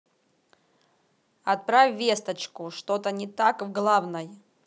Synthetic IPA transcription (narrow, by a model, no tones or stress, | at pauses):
ɐt̪̚pɾafʲvʲest̪ət͡ɕkʊʂt̪ot̪ənʲɪt̪akvɡlˠavnəj